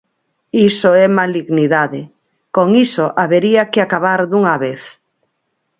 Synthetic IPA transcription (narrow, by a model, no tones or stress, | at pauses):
isoɛmaliɣniðaðɪ | koŋisoʔaβeɾiakɪakaβaɾðuŋaβeθ